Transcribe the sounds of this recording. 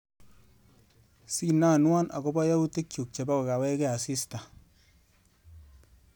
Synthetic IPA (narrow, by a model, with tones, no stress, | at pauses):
si˦na˦˨nwa˦nʔa̰˨ko˦ba˦ja˦u˦te˦kju˨k̚t͡ʃe˨ba˦ka˨ka˨wɛ˦kɛ˦a˨sɪ˦sta˨